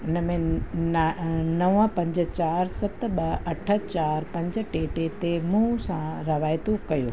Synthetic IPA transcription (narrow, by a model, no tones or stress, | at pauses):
ɪnəmẽ | nɐʋə̃pɐ̃ɲd͡ʑət͡ɕaːɾsɐt̪ɓɐɐʈʰət͡ɕaːɾpɐ̃ɲd͡ʑəʈeːʈet̪emũsãɾɐʋaːjt̪okɐjoː